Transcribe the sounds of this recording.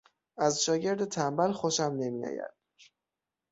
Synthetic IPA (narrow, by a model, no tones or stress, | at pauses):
ʔæzʃɒːɟe̞ɾd̪et̪ʰæmbælxoʃæmne̞mijɒ̰ːjæ̰d̪̥̚